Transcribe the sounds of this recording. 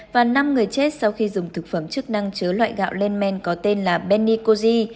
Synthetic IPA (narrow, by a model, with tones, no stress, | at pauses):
vaː˨˩na˧mŋɨ˨˩əjt͡ɕe˦˥t̚sa˧wxi˧zʊ˨˩ŋ͡mt̪ʰɨ˨˩k̚fə˧˩mt͡ɕɨ˦˥k̚na˧ŋt͡ɕɨ˨˦lwa̰ː˧˨jɣa̰ː˧˨wle˧nmɛ˧nkɔ˨˦t̪e˧nlaː˨˩ɓɛ˧nːi˧ko˧zi˧